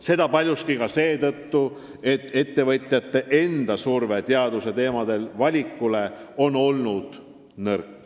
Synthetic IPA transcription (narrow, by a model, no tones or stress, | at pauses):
se̞d̪ɑpɑlʲjust̪̚kikɑse̞ːt̪ɤt̪ːu | e̞t̪ːˑe̞t̪ːe̞vɤt̪ʲˑjɑt̪ːe̞ʔe̞nd̪̥ɑsurve̞t̪eɑd̪use̞t̪e̞ːmɑd̪̥e̞lvɑlʲikːˑule̞o̞no̞lnud̪̥ | nɤrkː